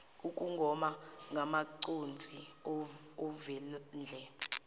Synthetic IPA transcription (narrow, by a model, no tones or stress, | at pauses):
ukʼuŋɡʱɔmaŋɡʱamaǀond͡zʱi | ɔvɛlnd͡ɮʱɛ